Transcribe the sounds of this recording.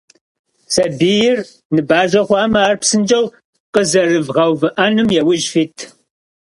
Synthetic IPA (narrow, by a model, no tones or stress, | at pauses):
sɐbiːjɪr | nɨbaːʒʷɐχʷɑːmɐaːrpsɨnd͡ʒʼɐw | qəzɐrɨvʁɐwvɨʔanɨmjɛwʊʒfiːtʰ